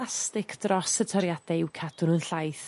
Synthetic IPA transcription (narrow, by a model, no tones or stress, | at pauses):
astɪkʰd̥rɔsətʰɔɾjad̥ɛɪwkʰad̥ʊnənɬajθ